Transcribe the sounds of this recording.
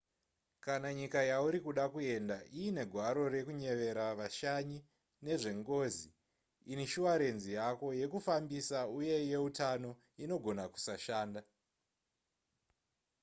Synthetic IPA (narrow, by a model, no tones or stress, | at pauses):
kanaɲikajauɾikuɗakue̞ndaʔiine̞ɡʱwaɾo̞ɾe̞kuɲe̞ʋe̞ɾaʋaʃaɲi | ne̞ʐe̞ŋɡo̞ːzi | iniʃuwaɾe̞nzijako̞je̞kufambisauje̞je̞utano̞ | ino̞ɡʱo̞naku̥saʃaːnda